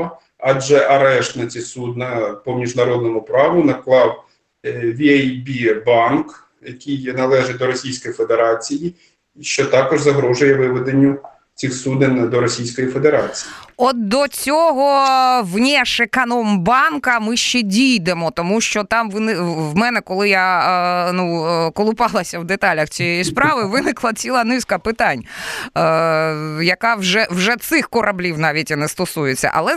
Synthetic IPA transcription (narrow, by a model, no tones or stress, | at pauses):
ɑd͡ʒɛʔɐɾɛʃt̪nɐt͡sʲisud̪nɐpɔmʲiʒnɐɾɔd̪̚nɔmʊpɾɑʋʊnɐklˠɑw | ʋʲiajbʲibɑnk | jɐkʲijnɐlˠɛʒɪd̪ɔɾɔsʲijsʲkɔjife̞d̪eɾɑt͡sʲiji | ʃt͡ʃɔt̪ɑkɔʒzɐɦɾɔʒʊjɛʋɪʋed̪enʲːʊ | t͡sʲixsud̪ɪnd̪ɔɾɔsʲijsʲkɔjife̞d̪eɾɑt͡sʲijiɔt̪̚d̪ɔt͡sʲɔɦɔwnʲɛʃɪkɐnɔmbɑnkɐmɪʃt͡ʃɛdʲijd̪emɔt̪ɔmuʃt͡ʃɔt̪ɑmʋɪnɪwmɛnɛkɔlˠɪjanukɔlˠʊpɑlˠɐsʲɐwd̪et̪ɑlʲɐxt͡sʲijɛjispɾɑʋɪʋɪnɪklˠɐt͡sʲilˠɐnɪskɐpɪt̪ɑnʲ | jɐkɑwʒɛwʒɛt̪sɪxkɔɾʔɐblʲiwnɑʋʲitʲinɛst̪ɔsujet͡sʲːɐ̰ʔɐ̰lˠɛ